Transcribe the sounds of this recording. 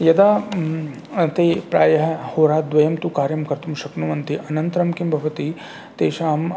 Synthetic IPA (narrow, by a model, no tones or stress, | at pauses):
jɐd̪aː | t̪eːpɾaːjɐɦhoːɾaːd̪ʋɐjɐmt̪ukaːɾjɐmkɐɾt̪umʃɐknuʋɐnt̪iʔɐnɐ̃nt̪ɾɐmkimbʱɐʋɐt̪i | t̪eːʃaːm